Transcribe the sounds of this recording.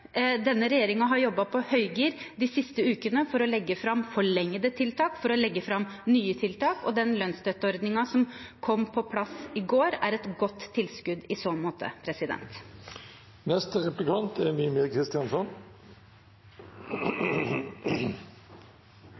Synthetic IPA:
d̪ɛnːəɾɛjeːɾɪŋɑɦɑɾjɔbːɑpʰɔhœʏɡiːɾd̪ɪːsɪst̪əʉːkənəfɔɾɔlɛɡːəfɾɑmfɔɭɛŋːəd̪ət̪ʰɪlt̪ʰɑːkfɔɾɔlɛɡːəfɾɑmːnyːət̪ʰɪlt̪ʰɑːkɔ̰d̪ɛnlœnsd̪œt̪ːəɔɾd̪nɪŋɑsɔmkʰɔmːpʰɔpʰlɑsɪɡoːɾæɾɛt̪ɡɔt̪ʰːɪlskʉd̪ɪsoːmoːt̪ʰə̰pʰɾɛsɪd̪ɛ̰nt̪ | nɛst̪əɾɛplɪkʰɑnt̪ʰɛɾmiːmeːkʰɾɪst̪ɪɑnsɔn

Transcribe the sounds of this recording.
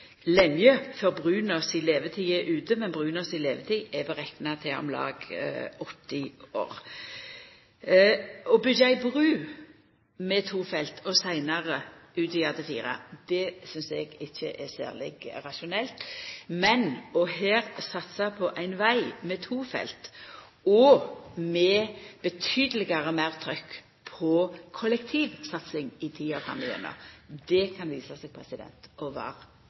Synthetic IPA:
lɛmjøfœʁbʁʉːnɔsɪleːʋət̪ʰiːəʔʉːt̪əmɛnbʁʉːnɔsɪleːʋət̪ʰiːɛbɛʁɛknɑt̪ʰɪɔ̰mlɑ̰ːɡɔt̪ːɪo̰ːʁ | ɔbʏdæɪbʁʉː | mɛt̪ʰuːfɛlt̪ʰɔsæɪnɑʁəʉːt̪ɪɑd̪əfḭːʁɑ̰d̪̥ɛsʏnsɛɡɪçːəʔɛsæ̰ːʁlɪ̰ɡɾɑʃʊnɛlt̪mɛnɔɦæːɾsɑt̪sɑpʰɔʔæɪnʋæɪmɛt̪ʰuːfɛ̰lt̪ | ɔmɛb̥ət̪ʰyːd̪əlɪɡɑʁəmæʁt̪ʰʁœkː | pʰɔkʰɔlɛkt̪ʰiːʋsɑt̪sɪŋɪt̪ʰiːɑkʰɑ̰mɪɛ̰nɑ̰d̪ɛkʰɑnʋiːsɑsɛɡ̚pʰʁɛsɪd̪ɛ̰nt̪ɔʋɑ̰ːʁ

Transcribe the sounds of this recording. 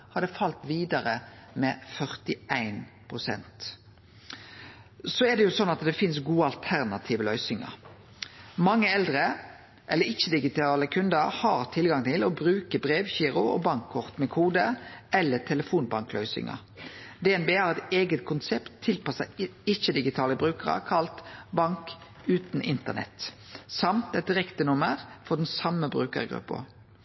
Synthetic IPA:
hɑd̪ɛfɑlt̪ʋiːd̪ɑɾəmɛfœʁt̪ɪʔæɪnpʰʁʊsɛ̰nt̪ | sɔɛd̪ɛjʊsɔnːɑt̪d̪ɛfɪnsɡuːəɑlt̪ʰæʁnɑt̪ʰiːʋəlœʏsɪŋə̰ɾ | mɑŋːəɛld̪ʁə | ʔɛlːəɾɪçːəd̪ɪɡɪt̪ʰɑːləkʰʉnd̪əɾhɑʁt̪ʰɪlɡɑŋt̪ʰɪlɔbɾʉːkəbɾeːʋçiːɾʊɔ̰bɑŋkʰːɔʁt̪mɛkʰuːd̪əɛlːət̪ʰɛləfuːnbɑŋklœʏsɪ̰ŋɑ̰ | d̪ɛːɛnbeːhɑːɾɛt̪eːɡət̪kʰʊnsɛpt̪ʰːɪlpɑsəɪçəd̪ɪɡɪt̪ʰɑːləbʁʉːkəʁə̰kʰɑlt̪bɑŋk | ʉːt̪n̩ʔɪnt̪ənɛ̰t̪ | sɑmt̪ɛt̪̚d̪ɪʁɛkt̪ənʊməʁfɔd̪ɛn̩sɑməbʁʉːkə̰ʁɡɾʉ̰pːʊ̰

